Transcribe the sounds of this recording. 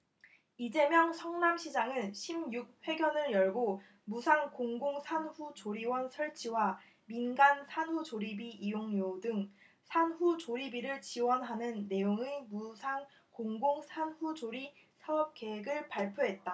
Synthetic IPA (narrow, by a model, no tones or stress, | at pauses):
id͡ʑe̞mjʌŋsʰʌŋnamɕʰid͡ʑaŋɯnɕʰimjuk̚ɸwe̞ɡjʌnɯɭjʌɭɡo | musʰaŋkoŋɡoŋsʰanɸut͡ɕoɾiwʌnsʰʌɭt͡ɕʰiwa | minɡansʰanɦut͡ɕoɾibiijoŋjodɯŋ | sʰanɦut͡ɕoɾibiɾɯɭt͡ɕiwʌnɦanɯnːe̞joŋemusʰaŋ | koŋɡoŋsʰanɸud͡ʑoɾi | sʰaʌp̚k͈e̞ɦeɡɯɭpaɭpʰjoɦe̞t̚t͈a